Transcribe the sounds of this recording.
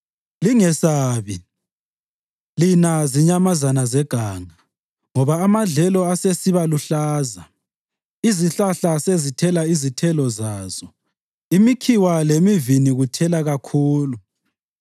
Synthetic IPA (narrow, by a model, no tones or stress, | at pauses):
liŋɛsaːβi | linaziɲamazanazɛɡ̥ʱaːŋa | ŋɔβaːmaɮɛlɔasesiβaluɬaːza | iziɬaɬasezitʰɛlaizitʰɛlɔzaːz̥ɔ | imikʰiwalemiviniɣutʰɛlaɣakʰuːlu